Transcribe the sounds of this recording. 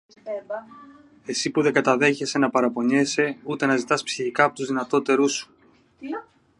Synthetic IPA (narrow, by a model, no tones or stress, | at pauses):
e̞sipuðeɡɐt̪ɐðe̞çe̞se̞nɐpɐɾɐpo̞ɲe̞se̞ut̪e̞nɐzit̪ɐspsiçikɐːpo̞t̪uzðinɐt̪o̞t̪e̞ɾusu̥